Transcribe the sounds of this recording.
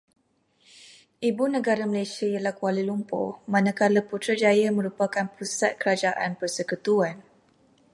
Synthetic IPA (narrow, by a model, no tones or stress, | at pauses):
ʔibunə̃ɡaɾaməlasiajalahkualilumpɔ̰mãnãkaləput̪ɾad͡ʒajamə̃ɾupakanpɾusa̰t̪̚kəɾad͡ʒaʔanpərsəkut̪uan